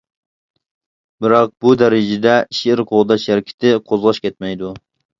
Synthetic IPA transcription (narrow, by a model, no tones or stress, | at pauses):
bɪɾɑq̚bud̪ɛɾɪd͡ʒɪd̪ɛʃiɪɾqʰoʁd̪ɑʃjæɾkʲʰɪ̥t̪ʰɪqʰozʁɑʃkʲʰɛt̪̚mɛjd̪u